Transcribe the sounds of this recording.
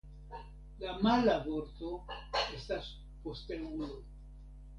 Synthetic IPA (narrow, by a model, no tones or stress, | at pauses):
lamalabo̞ɾt̪o̞e̞stas | po̞stenulo